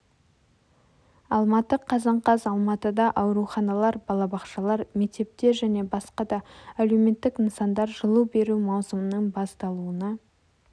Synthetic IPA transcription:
ɑlˠmɑt̪əqʰːɑzɑɴqɑzɑlˠmɑt̪əd̪ɑʔɑwɾuχɑnɑlˠɑɾbɑlˠɑbɑqʃɑlˠɑɾme̞k̚t̪e̞p̚t̪e̞ɾʒæne̞bɑsqɑd̪ɑːlewme̞t̪ːɪkinsɑnd̪ɑɾʒəlˠube̞ɾumɑwsəmənəɴbɑst̪ɑlˠuənə

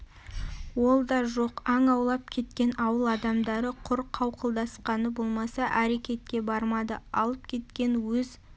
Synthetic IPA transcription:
wo̞lˠd̪ɑʒo̞qɑɴɑwlˠɑp̚kʲʰe̞t̪kʲe̞nɑwəlˠɑd̪ɑmd̪ɑɾəqʰʊɾqʰːɑwqəlˠd̪ɑsqɑnəbo̞lˠmɑsɑʔæɾe̞kʲe̞t̪̚kʲe̞bɑɾmɑd̪əɑlˠəpkʲʰe̞t̪kʲe̞nwɵz

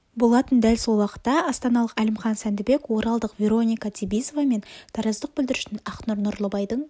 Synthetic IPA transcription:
bo̞lˠɑt̪ənd̪ælso̞lˠwɑqə̥t̪ːɑɑst̪ɑnɑlˠəqælɪmχɑnsænd̪ɪbe̞kwo̞ɾɑlˠd̪əqvʲe̞ɾo̞nʲijkɑt̪ʰʲibijzovɑme̞nt̪ʰɑɾɑzd̪əq̚bʏld̪ɪɾɪ̥ʃɪnɑqnuɾnʊɾlˠəbɑjd̪əɴ

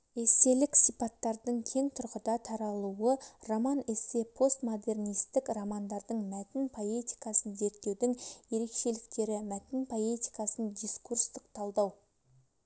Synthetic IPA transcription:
ese̞lɪksijpɑt̪ːɑɾd̪əɴkʲʰeŋt̪ʰʊɾqəd̪ɑt̪ʰɑɾɑlˠuwəromɑne̞se̞pʰo̞st̪mo̞d̪e̞rnijst̪ɪkromɑnd̪ɑɾd̪əɴmæt̪ɪnpʰo̞e̞t̪i̥jkɑsənze̞ɾt̪ːe̞wd̪ɪŋje̞ɾe̞kʃe̞lɪkt̪e̞ɾɪmæt̪ɪnpʰo̞e̞t̪i̥jkɑsənd̪ijskurst̪əq̚t̪ʰɑlˠd̪ɑw

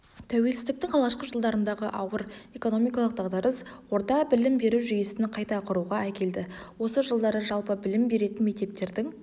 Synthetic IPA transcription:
t̪ʰæwe̞lsɪzd̪ɪk̚t̪ɪŋqʰɑlˠʁɑʃqəʒəlˠd̪ɑɾənd̪ɑʁəʔɑwəɾe̞ko̞no̞mijkɑlˠəq̚d̪ɑʁd̪ɑɾəswo̞ɾt̪ɑbɪlɪmbe̞ɾuwʒyjesɪnɪqʰɑjt̪ɑqʰʊɾuʁɑækʲe̞ld̪ɪwo̞səʒəlˠd̪ɑɾəʒɑlˠpəbɪlɪmbe̞ɾe̞t̪ɪnme̞k̚t̪e̞p̚t̪e̞ɾd̪ɪŋ

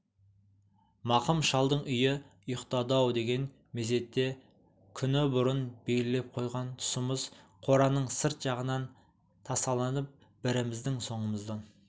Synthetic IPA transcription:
mɑqəmʃɑlˠd̪əɴʔʏjɪʊjəqt̪ɑd̪ɑwd̪e̞ɡʲe̞n | meze̞t̪ːe̞ | kʲʰʏnɪbʊɾənbejlɪle̞p̚qʰo̞jʁɑnt̪ʰʊ̥səməzqʰo̞ɾɑnəɴsəɾt̪ʒ̥ɑʁənɑn | t̪ʰɑsɑlˠɑnəp̚ | bɪɾɪmɪzd̪ɪŋso̞ɴəməzd̪ɑn

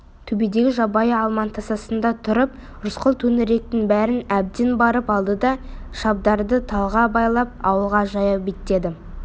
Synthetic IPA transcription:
t̪ʰɵbed̪e̞ɡʲɪʒɑbɑjəɑlˠmɑnt̪ʰɑsɑsənd̪ɑt̪ʰʊɾəp̚ | ɾʊsqəlˠt̪ʰɵnɪɾe̞k̚t̪ɪŋbæɾɪnæb̚d̪enbɑɾəpɑlˠd̪əd̪ɑʃɑb̚d̪ɑɾd̪ət̪ʰɑlˠʁɑbɑjlˠɑp̚ɑwəlˠʁɑʒɑjɑbet̪ːe̞d̪ɪ

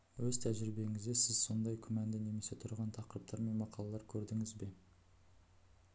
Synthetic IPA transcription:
wɵz̥t̪ʰæʒɪɾɪbe̞ŋɪzd̪e̞sɪzso̞nd̪ɑjkʲʰʏmænd̪ɪne̞me̞se̞t̪ʰʊɾʁɑnt̪ʰɑqəɾəp̚t̪ʰɑɾme̞nmɑqɑlˠɑlˠɑɾkʲʰɵɾd̪ɪŋɪzbe̞

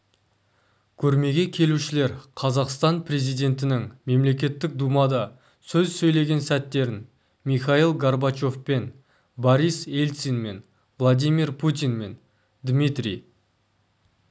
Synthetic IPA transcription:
kʲʰɵɾme̞ɡʲe̞kʲʰe̞luʃɪle̞ɾqʰɑzɑqst̪ɑnpʰrʲe̞zijd̪e̞nt̪ɪnɪŋme̞mle̞kʲe̞t̪ːɪk̚d̪umɑd̪ɑ | sɵzsɵjle̞ɡʲe̞nsæt̪ːe̞ɾɪn | miχɑilˠɡarbat͡ʃo̞fpe̞n | boɾijse̞lʲsinme̞n | vlˠad̪ijmirpʰut̪̬ʲinme̞n | d̪mit̪ɾij

